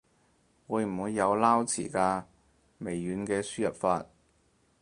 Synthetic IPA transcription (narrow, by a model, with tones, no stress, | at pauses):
wuː˨˧jm̩˨˩wuː˨˧jːɐ˨˧wlaː˥wt͡sʰḭː˨˩kaː˧ | me˨˩jːyː˨˧nkɛː˧syː˥jɐ˨p̚faː˧t̚